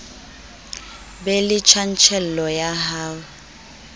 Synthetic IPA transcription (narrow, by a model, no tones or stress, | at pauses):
bɛlɪt͡ʃʰan̩t͡ʃʰɛl̩lɔjaɦaːwa